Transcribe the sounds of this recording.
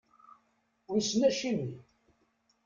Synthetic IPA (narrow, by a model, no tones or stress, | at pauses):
ʊɾsnæʃimi